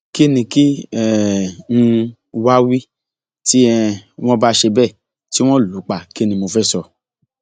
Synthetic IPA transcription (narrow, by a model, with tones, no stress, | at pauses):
ki˦nĩ˧ki˦ɛ˨ŋ̩̃˧ | wa˦wi˦ | ti˦ɛ˧w̃ɔ̃˦ba˦ʃe˧bɛ˦˨ | ti˦w̃ɔ̃˦˨lu˨˦k͡pa˨ki˦nĩ˧mo˧fɛ˦sɔ˧